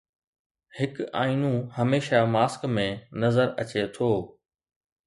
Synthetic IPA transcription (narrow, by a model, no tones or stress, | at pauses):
hɪka̰ːinũhɐmeːʃamaːskmẽnɐzəɾɐt͡ɕet̪ʰoː